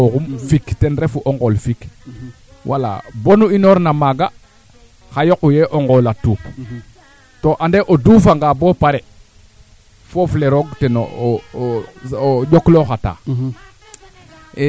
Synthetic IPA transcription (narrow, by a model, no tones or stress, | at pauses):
okumfiktɛnɾefuʔoŋɡolfik | wʔala̰bonuinoɾnamaɡa | xajokujeʔoŋɡolatuːk | toʔandeʔodufaŋɡaboːpaɾe | fofleɾoɡteno̰ | ɟokloxata̰ː